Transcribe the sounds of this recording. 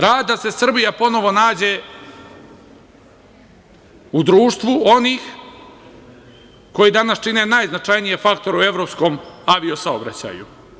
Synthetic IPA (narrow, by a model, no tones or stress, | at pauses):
ɾaːd̪d̪ase̞sr̩bijapo̞no̞ʋo̞naːd͡ʑe̞ | ud̪ɾuːʃt̪ʋuo̞niːx | ko̞jid̪anast͡ʃine̞najznat͡ʂajnijefak̚t̪o̞ɾue̞ʋɾo̞psko̞maʋio̞saobɾa̰t͡ɕa̰ːju